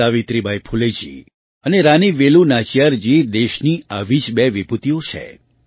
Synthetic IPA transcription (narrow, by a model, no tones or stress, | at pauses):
aʋit̪ɾibʱajpʰuled͡ʒḭ | əneɾaniʋelunat͡ʃijaɾd͡ʒid̪eʃniaʋid͡ʒbɛʋiput̪iõt͡ʃʰḛ